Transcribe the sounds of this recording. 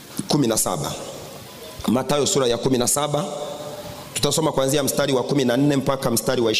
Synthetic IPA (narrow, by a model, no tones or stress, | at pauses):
kuminasa̰ɓa̰ | matajɔsuɾajakuminasaɓa | tu̥tasɔmakwanziam̩staɾiwakuminan̩nɛm̩pakam̩staɾiwaiʃ